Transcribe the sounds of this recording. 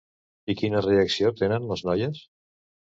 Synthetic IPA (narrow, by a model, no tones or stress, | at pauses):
ikinəreəksiot̪̚enənləznɔjəs